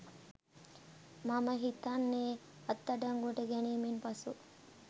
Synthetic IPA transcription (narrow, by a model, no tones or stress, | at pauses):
maməɦit̪anːeː | ɐt̪ːaɖaŋɡoʈəɡɛniːmenpasu